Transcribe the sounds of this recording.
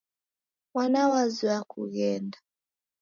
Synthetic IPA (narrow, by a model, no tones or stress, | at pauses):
wanawaziwakʰṵɣɛndḁ